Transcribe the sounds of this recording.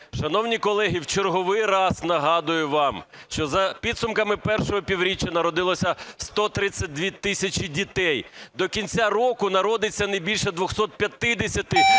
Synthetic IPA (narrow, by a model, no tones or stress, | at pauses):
ʃɐnɔwnʲikɔlˠɛɦʲiwt͡ʃerɦɔʋɪjrɑsnɐɦɑd̪ʊjʊʋɑm | ʃt͡ʃɔzɐpʲid̪sʊmkɐmɪpɛrʃɔɦɔpʲiwɾʲit͡ʃːɐnɐɾɔd̪ɪlˠɔsʲɐst̪ɔt̪ɾɪt͡sʲːɐt̚ʲd̪ʲʋʲit̪ɪsʲɐt͡ʃidʲit̪ɛjd̪ɔkʲinʲt͡sʲarɔkʊnɐɾɔd̪ɪt͡sʲːɐnɐjbʲilʲʃɛd̪ʋɔxsɔt̪̚pʲjɐt̪ɪd̪esʲɐt̪ɪ